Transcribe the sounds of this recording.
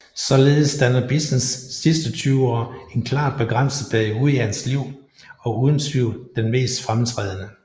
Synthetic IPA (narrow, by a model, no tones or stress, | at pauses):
sɒ̽le̝ːð̩ˠəsd̥ænɐb̥isnesːisd̥ət͡sʰyːʊɒ̰ːe̝nkʰlɑ̰̈ːb̥e̝ɡ̥ʁan̰səb̥ʰɛuðˠihænsliʊ̰ | ɒ̽uːðˠn̩sʋiʊ̰d̥enme̝̰ːsd̥fʁamt͡sʰʁɛ̰ːð̞ˠənə